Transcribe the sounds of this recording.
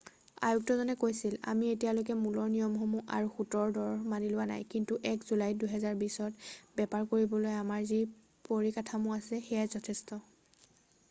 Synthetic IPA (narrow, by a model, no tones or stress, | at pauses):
a̰juk̚tɔzɔnɛkojsila̰mietijalojkɛmulɔɹnijɔmxɔmuʔa̰ɹuxutɔɹdɔɹmanilʊwana̰jkintuʔɛkzulajduɦɛzaɹbisɔtbɛpaɹkoɹibɔlojamaɹzi | poɹikatʰamʊasɛxɛjazɔtʰɛstɔ